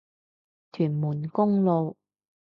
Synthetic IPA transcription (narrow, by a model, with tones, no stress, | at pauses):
t̪ʰyː˨˩nmuː˨˩nkʊ˥ŋlo˨˧w